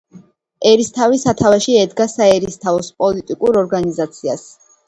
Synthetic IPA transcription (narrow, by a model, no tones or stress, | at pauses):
ɛɾist̪ʰavisat̪ʰavaʃiɛd̪ɡasaɛɾist̪ʰavɔspʼɔlit̪ʼikʼuɾɔɾɡanizat̪sʰia̰s